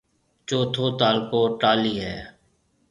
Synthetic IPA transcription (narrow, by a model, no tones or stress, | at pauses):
t͡ʃoːt̪ʰoːt̪aːlkoːʈaːliːɦɛː